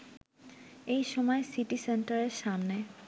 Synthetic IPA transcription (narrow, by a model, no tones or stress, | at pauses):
ejʃɔmɔesiʈisenʈaɾeɾʃamne